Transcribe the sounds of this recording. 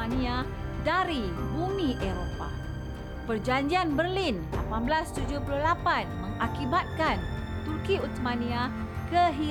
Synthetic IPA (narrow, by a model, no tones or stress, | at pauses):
anĩa | daɾibumĩʔeɾopa̰ | pərd͡ʒaɲd͡ʒianbərlinla̰panblast̪ud͡ʒupuluhlapanmə̃ŋakibat̪̚kan | t̪urkiut̪mãnĩa | kəɦi